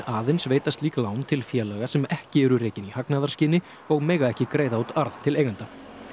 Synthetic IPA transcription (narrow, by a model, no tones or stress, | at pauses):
aːðɪnsveːjt̪ast̪liːkalaːwnt̪ʰɪlfjɛːlaɣasɛmɛhcɪɛɾʏɾeːjcɪnihaknaðḁscɪːnɪ | ɔɣmɛːɣaɛhcɪkɾeːjðaut̪aɾð̥t̪ʰɪleːjɣant̪a